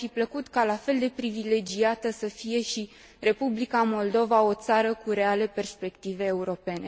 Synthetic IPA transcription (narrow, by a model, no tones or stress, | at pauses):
afipləkut̪kalafe̞ld̪e̞pɾivile̞d͡ʒiat̪əsəfije̞ʃi | re̞publikamo̞ld̪o̞vao̞t̪saɾəkuɾe̞ale̞pe̞rspe̞kt̪ive̞ːuɾo̞pe̞ne̞